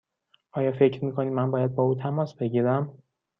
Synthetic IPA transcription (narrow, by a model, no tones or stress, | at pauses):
ʔɒːjɒːfe̞cʰɾmiːkʰoniːmænbɒːjæd̪̚bɒːuːt̪ʰæmɒːsbe̞ɟiːɾæm